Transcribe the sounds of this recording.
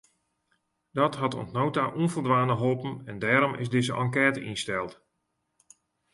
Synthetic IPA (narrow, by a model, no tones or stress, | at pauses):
dɔtɦɑtɔ̰ntnowtaʔunfəlˠdʋaːnəɦopənɛndɛːɾɔmʔɪ̰zdɪzəʔɑ̰ŋkɛːtəʔinstɛlˠt